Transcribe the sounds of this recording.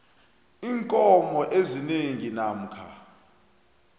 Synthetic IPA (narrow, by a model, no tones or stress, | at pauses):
iːŋkʼɔmɔʔezineŋinam̩kʰa